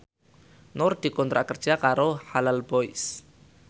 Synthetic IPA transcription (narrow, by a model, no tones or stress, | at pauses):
nʊrd̪̥i̤kɔnt̪ɾa̰ʔkərd̥ʒ̥a̤kaɾohalalb̥ɔɪs